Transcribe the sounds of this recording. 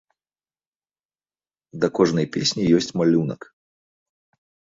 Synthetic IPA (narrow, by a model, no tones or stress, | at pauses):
d̪ɐkɔʐnɐjpʲesʲnʲijɔsʲt͡sʲmalʲunɐ̰k